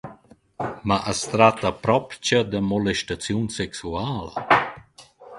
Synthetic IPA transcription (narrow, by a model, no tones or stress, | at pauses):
maʔəst̪ɾat̪apɾɔpt͡ʃəd̪əmɔlɛʃtat͡sjunsɛksuaːlə̰